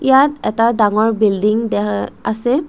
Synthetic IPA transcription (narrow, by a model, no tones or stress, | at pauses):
ijatɛtadaŋɔɹbildiŋdɛasɛ